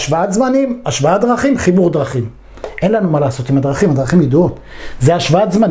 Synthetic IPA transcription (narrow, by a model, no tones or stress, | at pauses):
ʃvaat̪zmanimaʃvaad̪ʁaχimχibuʁd̪ʁaχim | ʔe̞nlanumalaːso̞t̪imad̪ʁaχimad̪ʁaχimjeduot̪ | zeaʃvaat̪zman